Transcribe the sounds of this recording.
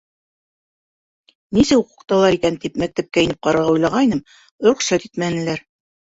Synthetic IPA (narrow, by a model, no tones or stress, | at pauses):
nisɘwuqŭ̥qt̪ɑlˠɑɾikænt̪ipmæk̚t̪æp̚kæĭnɘp̚qɑɾɤ̆ɾʁɑujlˠɑʁɑjnɤm̆ | ɾŏχʃæt̪it̪mænɘ̆læɾ